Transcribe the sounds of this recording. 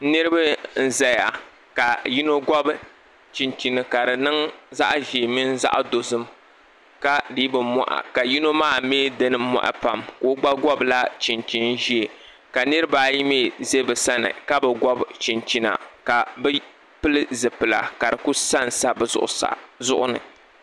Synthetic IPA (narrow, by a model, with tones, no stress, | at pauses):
nɨ˦ɾɨ˦bɨ˦n̩˦za˦ja˨ | ka˨ji˦no˦ɡʷɔ˦b | t͡ʃi˨nt͡ʃi˨nɨ˨ka˨dɨ˨nɨ˦ŋza̰˦ʔʒi˨mi˦n˦za̰˦ʔdo˨zɨ˦m | ka˦di˦bɨ˨mɔ̰˦˨ʔa̰˨ka˨ji˦no˦maː˦˨me˦dɨ˦nɨ˦mːɔ̰˦ʔa̰˨pa˨mkoː˦ɡ͡ba˦ɡɔ˦bla˦t͡ʃi˨nt͡ʃi˨n˦ʒi˦e˨ | ka˨nɨ˦ɾɨ˦baː˦ji˦meː˦˨ze˦bɨ˨sa˦nɨ̰˨ka˦bɛ˨ɡɔ˦bt͡ʃi˨nt͡ʃi˨na̰˨ka˨bɨ˦ | pɨ˦lɨ˦zɨ˨pɨ˨la̰˨ka˨dɨ˨ku˦sa˦n˨sa˦bɨ˦˨zʊ̰˦ʔʊ̰˨˦sa̰˨zʊ˦ʔʊ˦nɨ̰˨